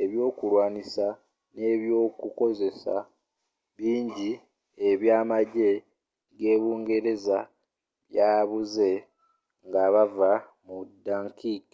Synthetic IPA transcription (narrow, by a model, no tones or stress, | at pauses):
e̞βjo̞ːkulwaːnisa | ne̞βjo̞ːkuko̞ze̞sa̰ | βiːɲɟi | eβjaːmaɟe̞ | ɡe̞ːβuːŋɡe̞ɾe̞za | βjaːβuze̞ | ŋɡaβava | mudːaːŋkiki